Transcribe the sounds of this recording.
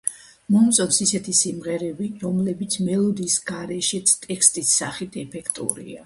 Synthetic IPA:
mɔmt̪sʼɔsisɛt̪ʰisimʁɛɾɛbiɾɔmlɛbit̪sʰmɛlˠɔd̪iːsɡaɾɛʃɛt̪sʰt̪ʼɛkʰst̪ʼisːa̰χit̪ʰɛpʰɛkʰt̪ʼṵɾḭa

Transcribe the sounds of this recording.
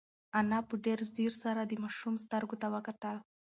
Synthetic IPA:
anapəɖeɾziɾsaɾad̪əmaʃumst̪əɾɡot̪awəkat̪əl

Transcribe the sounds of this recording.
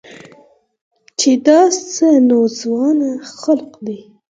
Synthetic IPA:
t͡ʃed̪ɑst͡sənozwɑnaxalqd̪i

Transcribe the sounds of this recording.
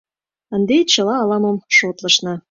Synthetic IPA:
ənd̪et͡ɕə̆lɑːlɑmomʃot̪lɤʃnɤ̆

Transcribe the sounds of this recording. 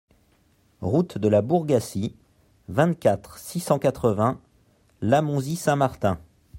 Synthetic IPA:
ʁut̪d̪əlabuʁɡasi | vɛ̃t̪kʲat̪χsisɑ̃kat̪χəvɛ̃ | lamɔ̃zisɛ̃maʁt̪ɛ̃

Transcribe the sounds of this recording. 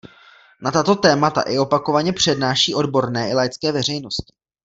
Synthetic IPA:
nat̪at̪o̞t̪ɛːmat̪a̰ʔɪo̞pako̞vaɲɛpr̝̥ɛdnaːʃiːʔo̞dbo̞ɾnɛːɪlajt͡skɛːvɛr̝ɛjno̞scɪ̥

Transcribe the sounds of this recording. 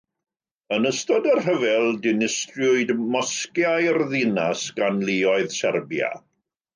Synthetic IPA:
ənəstɔdərhəvɛlˠdɪnɪstrjʊɨdmɔskjajrðɪnasɡ̥anliɔɨðsɛrbja̰

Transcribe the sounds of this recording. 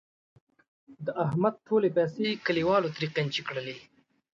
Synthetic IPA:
d̪əaɦmad̪̚ʈʰoːlepɛsekəliwɑːlot̪ɾiqent͡ʃikɽəli

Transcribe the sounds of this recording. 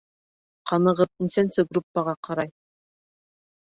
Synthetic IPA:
qɑnɤ̆ʁɤp̪̚insænsɘɡrupːɑʁɑqɑɾɑj

